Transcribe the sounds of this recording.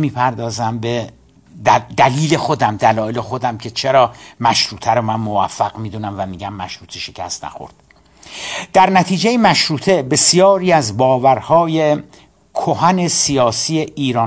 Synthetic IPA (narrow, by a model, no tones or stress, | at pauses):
miːpʰæɾd̪ɒːzæmbe | d̪d̪æliːle̞xod̪æmd̪ælɒːjelexo̞d̪æmcʰe̞t͡ʃʰeɾɒːmæʃɾuːt̪ʰæɾomænmovæfːæɣmiːd̪unæmvæmiːɟæmːæʃɾuːt̪ʰeʃe̥cʰæ̰st̪næ̰xo̰ɾd̪̥ | d̪̥æɾnæt̪ʰiːd͡ʒejemæʃɾuːt̪ʰe̞be̞sjɒːɾiːæzbɒːvæɾhɒːje | kʰohæne̞sijɒːsiːeʔiːɾɒː